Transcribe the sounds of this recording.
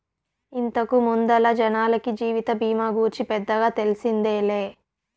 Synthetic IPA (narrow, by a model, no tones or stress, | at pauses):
int̪ɐkumund̪ɐlɐd͡ʒɐnaːlɐkid͡ʒiːʋit̪ɐbʱiːmaːɡuːɾt͡ʃipɛd̪ːɐɡaːt̪e̞lisind̪eːleː